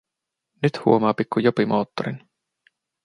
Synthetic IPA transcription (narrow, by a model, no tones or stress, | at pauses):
nyt̪hṵomɑːpikːujopimo̞̰ːt̪ːo̰ɾin